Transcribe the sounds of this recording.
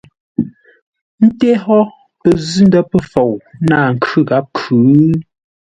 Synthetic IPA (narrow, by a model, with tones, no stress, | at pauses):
n̩˦te˦ɦɔ˦ | pə˨zʉ˦n˦də˦pə˦fo˨wnaː˦˨ŋ̩˨kʰʉ˦ɣa˨˦p̚kʰʉː˨˦